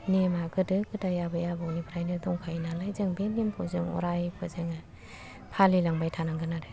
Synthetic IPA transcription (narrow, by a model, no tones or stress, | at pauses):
nemaɡɯdɯɡɯdajabajabɔwnibʰɾajnɯdɔŋkʰajnalajzɯŋbenempʰɔzɯŋɔ̰ɾajbʰɯzɯŋa | pʰalilaŋbajtʰanaŋɡanaɾɯ